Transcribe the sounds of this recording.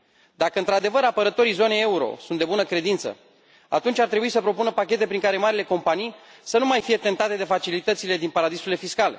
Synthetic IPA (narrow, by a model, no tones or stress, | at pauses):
d̪akəɨnt̪ɾad̪e̞vəɾapəɾət̪o̞ɾijzo̞neeuɾo̞̰sunt̪d̪e̞bunəkɾe̞d̪int̪sə̰ | a̰t̪unt͡ʃʲart̪ɾe̞buisəpɾo̞punəpakʲe̞t̪e̞pɾiŋkaɾe̞maɾile̞ko̞mpanijsənumajfije̞t̪e̞nt̪at̪e̞d̪e̞fat͡ʃilit̪ət̪sile̞d̪inpaɾad̪isuile̞fiskale̞̰